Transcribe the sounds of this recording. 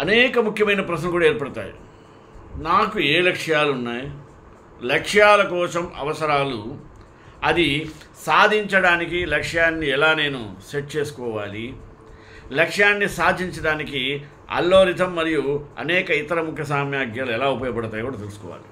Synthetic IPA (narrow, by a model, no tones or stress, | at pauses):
ɐnɛːkɐmukʰjɐmɐjnɐpɾɐʃ̬nɐkuːɽaeːɾpɐɽut̪a̰ːjḭ | naːkueːlɐkʂjaːlunːaːji | lɐkʂjaːlɐkɔːsɐmɐ̰ʋɐsɐɾaːlu | ɐd̪i | saːd̪ʱiɲt͡ʃɐɽaːnikilɐkʂjaːnːiɛlaːne̞ːnuseʈ̚t͡ʃe̞ːsu̥kɔːʋaːli | lɐkʂjaːnːisaːd̪ʱiɲt͡ʃɐɽaːniki | ɐ̰lːo̞ːɾid̪ʱɐmːɐɾijuɐ̰nɛːkɐit̪ɐɾɐmukʰjɐsaːmjaːɡjaːluɛlaːupɐjɐpɐɽɐt̪aːjkuːɽaːt̪elusu̥kɔ̰ːʋa̰ːli